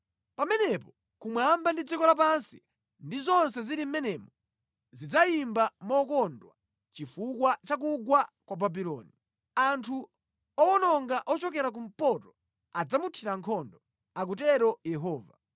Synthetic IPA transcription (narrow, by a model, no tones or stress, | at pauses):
pamɛnɛpɔ | kumwambandid͡zikɔlap̬ansi̥ | ndizɔnsɛziɾim̩mɛnɛmɔ | zid͡zaimbamɔkɔndwa | t͡ʃifukwat͡ʃak̬uɡwakwababilɔ̰ːni | antʰu | ɔɔnɔŋɡaʔɔt͡ʃɔkɛɾak̬um̩pɔtɔ | ad͡zamutʰiɾaŋkʰɔndɔ | ak̬utɛɾɔjɛɦɔːva